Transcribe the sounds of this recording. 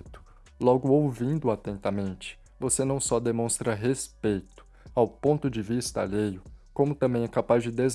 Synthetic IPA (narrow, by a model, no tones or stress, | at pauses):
t̪ʊ̥ | lɔɡʊowvĩnd̪ʊat̪ẽnt̪ɐmẽnt͡ʃɪ̥ | vosenɐ̃w̃sɔd̪emõst̪ɾɐɦespejt̪ʊ̥ | awpõnt̪ʊd͡ʒɪvist̪ɐ̰ʎejʊkõmʊt̪ɐ̃mbẽj̃ɛkapazd͡ʒɪd̪ez